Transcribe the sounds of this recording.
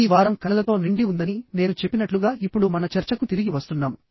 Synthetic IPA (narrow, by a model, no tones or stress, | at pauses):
iːʋaːɾɐmkɐlɐlɐt̪o̞ːniɳɖiund̪ɐnine̞ːnut͡ʃepːinɐʈluɡaːʔipːuɽumɐnɐt͡ʃɐɾt͡ʃɐkut̪iɾiɡiʋɐst̪unːaːmu